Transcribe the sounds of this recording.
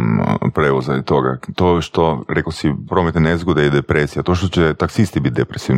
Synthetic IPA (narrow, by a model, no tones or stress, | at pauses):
pɾeʋozat̪o̞ɡa̰t̪oʃt̪oɾekosipɾo̞ːmet̪nenezɡod̪eid̪epɾesijat̪oʃt̪ot͡ɕet̪aksist̪ibit̪̚d̪epɾesiʋ